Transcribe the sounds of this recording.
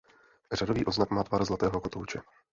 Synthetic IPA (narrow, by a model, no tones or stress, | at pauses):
radoviːʔo̞znakmaːt̪vaːɾzlat̪ɛːɦo̞kot̪owt͡ʃɛ